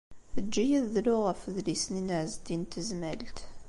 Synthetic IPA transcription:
əd͡ʒːijæðːlʊʁəfðlisninəʕzd̪int̪əzmælt̪

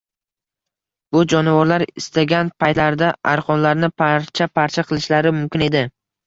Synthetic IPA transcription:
b̥ʊd͡ʒɒnɪvɒɾlaɾɪst̪aɡʲanpʰajt̪laɾd̪aaɾqʰɒnlaɾnɪpʰaɾt͡ʃʰapʰaɾt͡ʃʰaqʰɨlˠɪʃlaɾɪmʊmkʲɪne̞d̪ɪ

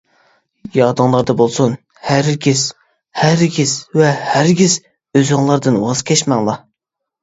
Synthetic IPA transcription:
jɑːd̪ɨŋlˠɑɾd̪ɑbolˠsun | hæɾkʲʰis | hæɾkʲisvɛhæɾɡʲiz | øzɨŋlˠɑɾd̪ɨnwɑz̥kʲʰɛʃmɛŋlˠɑ

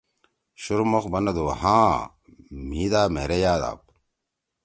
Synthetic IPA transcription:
ɕuɾmoxbɐnɐd̪ohãː | miːd̪aːmḛɾejaːd̪a̰ːp̚

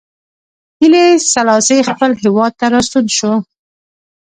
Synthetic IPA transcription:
hilesalɑsexpəlɦɪwɑd̪̚t̪aɾɑsud̪ʃo

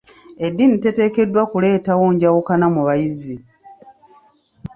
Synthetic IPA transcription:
e̞dːinite̞te̞ːke̞dːwakule̞ːtawoːɲɟawukanamuβajizi

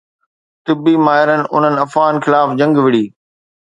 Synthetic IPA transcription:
t̪ɪbimaːɦɪɾənɪ̆ʔʊ̰n̤ənɪ̆ɐfɣaːnxɪlaːfd͡ʑɐ̃ŋɡʋɪɽ̤iː

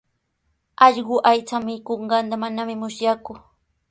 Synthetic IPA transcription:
ɑʎɢʊʔajt͡samɪkoɴɢɑnt̪amanamɪmʊsjakʊ

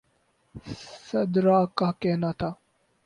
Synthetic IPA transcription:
sɐd̪ɾaːkakɛɦnat̪ʰaː

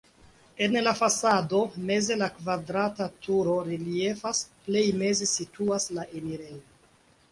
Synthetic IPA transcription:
e̞nlafasado̞me̞ze̞lakvadɾatatʰuɾo̞ɾilie̞fasple̞jme̞ze̞situaslaʔeniɾe̞jo

